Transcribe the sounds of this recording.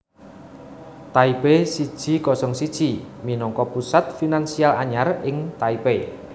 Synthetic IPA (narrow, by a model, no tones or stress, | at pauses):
t̪aibesid̥ʒ̥i̤kɔsɔŋsid̥ʒ̥iminɔŋkɔpusat̪̚finansialaɲarɪŋt̪aipe